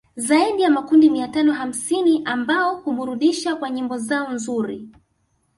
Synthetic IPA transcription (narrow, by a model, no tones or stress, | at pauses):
zaiɗijamakundimiatanɔɦam̩siniʔambaɔhumuɾuɗiʃakwaɲimbɔzaɔnzuɾi